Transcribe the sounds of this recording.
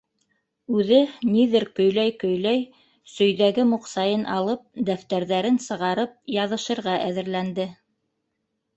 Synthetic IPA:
ʉðɘniðɘɾkɵ̆jlæjkɵ̆jlæj | sɵ̆jðæɡɘmuqsɑjɤnʔɑlˠɤp̚d̪æft̪æɾðæɾɘnsɤ̆ʁɑɾɤp̚jɑðɤ̆ʃɤ̆ɾʁɑʔæðɘ̆ɾlænd̪ɘ

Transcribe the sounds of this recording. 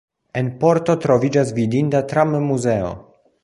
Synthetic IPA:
e̞npo̞ɾt̪o̞t̪ɾo̞vid͡ʒas̬vidintat̪ɾammuzeo̰

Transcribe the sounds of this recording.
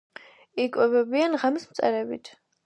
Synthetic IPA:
ikʼwɛbɛbianʁamismt̪sʼɛ̰ɾɛbḭt̪ʰ

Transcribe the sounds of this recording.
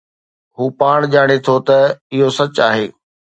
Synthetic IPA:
ɦuːpaːɽ̃ʄaːɽ̃et̪ʰot̪ɐɪɦosɐt͡ɕaːɦeː

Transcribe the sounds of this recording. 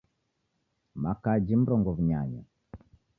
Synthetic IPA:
makad͡ʒim̩ɾɔŋɡɔvuɲa̰ɲa

